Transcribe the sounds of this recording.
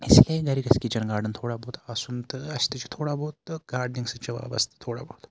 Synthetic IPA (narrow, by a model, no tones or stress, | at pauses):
ɪslieɡɐɾikɐskit͡ʃɐnɡaːɾɖənt̪ʰoːɽaːboːt̪aːsunt̪ɨɐt͡ʃʰt̪ɨt͡ʃʰt̪ʰoːɽaːbɔːt̪ɡaːɾɖnɪŋɡset͡ʃɐʋa̰ːbɐ̰st̪t̪ʰːoːɽa̰ːboːt̪